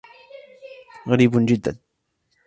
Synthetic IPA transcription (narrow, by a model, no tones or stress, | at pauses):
ɣaɾiːbʊnd͡ʒɪd̪ːa̰n